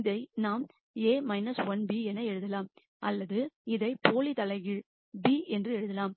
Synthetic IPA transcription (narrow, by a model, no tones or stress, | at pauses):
ðɐɪnaːm | eːmɐɪnɐsʋɐnbiɛnːɐɛɻɯðɐlaːm | ʔɐlːɐðɯɪðɐɪpoːlit̪ɐlɐɪɣɪɻ | biːɛndrɯɛɻɯðɐlaːm